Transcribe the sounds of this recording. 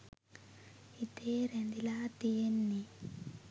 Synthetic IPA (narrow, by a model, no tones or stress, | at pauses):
it̪eːɾend̪ilaːt̪ijenːi